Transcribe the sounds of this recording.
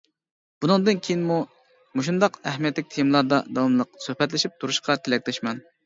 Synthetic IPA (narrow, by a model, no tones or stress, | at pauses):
b̥unɨŋd̪ɨnkʲʰejinmu | moʃ̬und̪ɑqæhmijɛt̪lɪk̚ʲt̪ʰejimlˠɑɾd̪ɑd̪ɑwɑmlˠəq̚søhpɛt̪lɪʃip̚t̪ʰuɾuʃqɑt̪ʰɪlɛk̚ʲlɛʃmɛn